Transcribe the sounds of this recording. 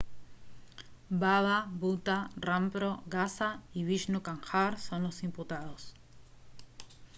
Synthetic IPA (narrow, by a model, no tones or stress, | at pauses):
baβaβut̪arampɾoɣasaiβiʃnukaŋxaɾsonlo̞simput̪að̞os